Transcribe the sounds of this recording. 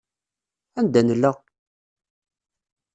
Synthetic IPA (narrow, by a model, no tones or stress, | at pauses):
ænd̪ænəlːəʁ